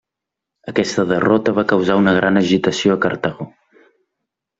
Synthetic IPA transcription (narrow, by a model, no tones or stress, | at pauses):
əkɛst̪əðərɔt̪əβ̞akəwzaunəɣ̞ɾanəʒit̪əsioəkəɾt̪aɣo